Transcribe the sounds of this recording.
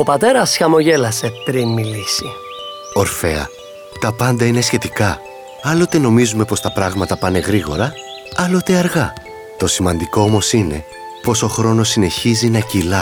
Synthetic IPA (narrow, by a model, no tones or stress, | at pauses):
opɐt̪e̞ɾɐsçɐmo̞ʝelɐsetɾimːilisi | o̞ɾfe̞ɐ̰ | t̪ɐpɐnd̪ɐine̞sçe̞t̪ikɐ | ɐlo̞t̪e̞no̞mizume̞po̞st̪ɐpɾɐɣmɐt̪ɐpɐne̞ɣɾiɣo̞ɾɐ | ɐlot̪eɐɾɣɐ | t̪o̞simɐnd̪iko̞omo̞sine̞̰ | po̞so̞xɾo̞no̞sine̞çizinɐcilɐ